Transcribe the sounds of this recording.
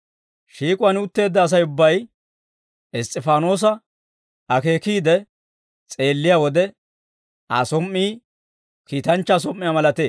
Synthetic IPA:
ʃiːkʼʊwɐnʊt̪ːe̞ːd̪ːɐːs̬ɐjʊbːɐj | ɪst̪ʼːɪfaːno̞ːs̬ɐ | ɐke̞ːkiːd̪ɛ | t͡sʼe̞ːlːɪjaːwɔd̪ɛ | asɔmːiː | kiːt̪ɐnt͡ʃːɐs̬ɔmʔːɪjamɐlɐt̪eː

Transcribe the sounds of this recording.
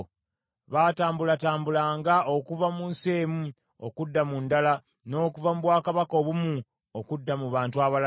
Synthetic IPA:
βaːtaːmbulataːmbulaːŋɡaʔo̞kuvamuːnseːmu | o̰kudːamundala | no̞ːkuvamuβwaːkaβako̞ːβumu | okudːamuβaːntuaβal

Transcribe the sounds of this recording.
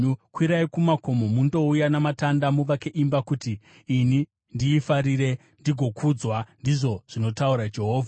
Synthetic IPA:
ukwiɾaikumako̞momundo̞ujanamatandamuʋakeʔimbakutiː | ni | ndiːfaɾiɾe̞ | ndiɡʱo̞kʰud͡zwandiʐo̞ʐ̥ino̞tauɾad͡ʒe̞ɦo̞ːvʱa

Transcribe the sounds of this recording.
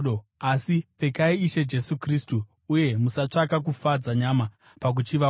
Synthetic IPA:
oasipe̞kaiːʃe̞d͡ʒe̞sukristuː | je̞musat͡ʂakak̬ufad͡zaɲama | pak̬ut͡ʃiʋa

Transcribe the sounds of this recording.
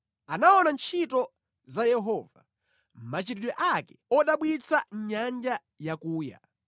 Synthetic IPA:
anaɔnant͡ʃʰitɔ | zajɛɦɔva̰ | m̩mat͡ʃiɾiɗwɛʔakɛ̥ɔɗaɓwit͡saɲand͡ʒa | jakuːja̰

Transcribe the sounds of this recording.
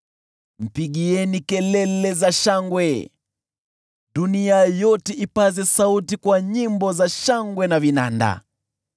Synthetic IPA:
m̩piɠiɛnikɛlɛlɛzaʃaŋɡwɛ | ɗuniajɔtɛʔipazɛsautikwaɲimbɔzaʃaŋɡwɛnavina̰nda̰

